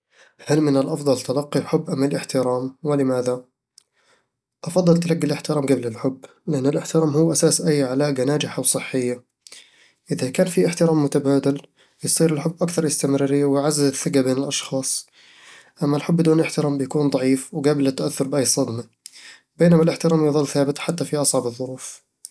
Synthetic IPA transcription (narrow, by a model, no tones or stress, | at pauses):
halmɪnɪlʔɑfðˤɑlt̪alɑqːilħʊbːʔamːalʔɪħt̪ɪɾaːmwɪlɪmaːða | ʔɑfɑd̪ˤːɑlt̪alaɡːɪlʔɪħt̪ɪɾaːmɡablɪlħʊbː | lɪʔanːɪlʔɪħt̪ɪɾaːmhuːʔasaːsʔajːʕalaːɡanaːd͡ʒɪħawsˤɨħːɪjːa | ʔɪðakaːnfiʔɪħt̪ɪɾaːmːʊt̪abaːd̪al | jsˤiːɾɪlħʊbːʔakθɑɾˤʔɪst̪ɪmɾɑːɾɪjːawɪjʕazːɪzɪθːɪɡabeːnɪlʔɑʃxɑːsˤ | ʔamːalħʊbːɪd̪uːnʔɪħt̪ɪɾaːmbɪjakuːnd̪ˤɑʕiːfwɡaːblɪt̪ːaʔaθːʊɾˤbɪʔajːsˤɑd̪ma | beːnamalʔɪħt̪ɪɾaːmjðˤɨlːθaːbɪt̪ħat̪ːafiʔɑsˤʕɑbɨðˤːʊɾuːf